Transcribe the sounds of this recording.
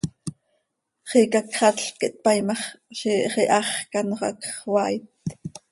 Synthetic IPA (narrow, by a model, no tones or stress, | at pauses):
χikɑkχɑtɬkiʔt̪̚pɑjmɑχʃiχiʔɑχkɑnoχɑ̰kχwɑjt̪̚